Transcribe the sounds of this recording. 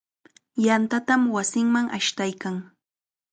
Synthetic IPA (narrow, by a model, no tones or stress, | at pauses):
jant̪at̪amwasɪŋmaŋʔa̰ʃt̪ajkaŋ